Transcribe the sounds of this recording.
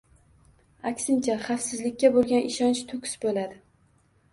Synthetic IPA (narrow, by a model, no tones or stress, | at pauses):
akʲsɪnt͡ʃʰaχafsɪzlɪkʲːabolˠɡʲanʔɪʃɒnt͡ʃt̪ʰʊkʲɪ̥sbolad̪ɪ